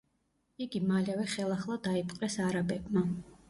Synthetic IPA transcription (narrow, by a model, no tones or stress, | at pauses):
iɡimalɛvɛχɛlˠaχlˠad̪aipʼqʼɛsaɾabɛbma